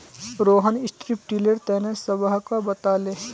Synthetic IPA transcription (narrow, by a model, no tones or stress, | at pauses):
ɾoːɦənɪsʈɾip̚ʈiːləɾt̪ɛːnesəbaɦkabət̪aːleː